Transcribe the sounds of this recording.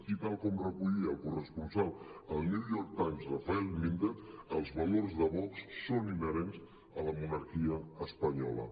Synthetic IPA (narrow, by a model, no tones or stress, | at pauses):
kit̪alˠkɔmrəkuʎiəlˠkurəspunsalˠəlˠniwjɔɾk̚t̪ajmsrafaɛlˠmind̪eəlˠzβɐlorzðəβɔksːoninəɾenz | ələmunəɾkiəːspəɲɔlə̰